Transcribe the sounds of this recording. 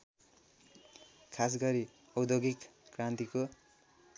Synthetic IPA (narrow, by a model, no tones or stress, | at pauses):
kʰas̬ɡʌɾi | ʌwd̪oɡikːrant̪iko